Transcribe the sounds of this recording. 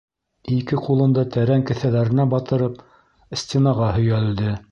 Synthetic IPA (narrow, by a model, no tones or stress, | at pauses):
ikɘqulˠɤ̆nd̪ɑt̪æɾæŋkɘ̆θælæɾɘ̆næbɑt̪ɤ̆ɾɤp | sʲt̪ʲenɑʁɑhɵ̆jæld̪ɘ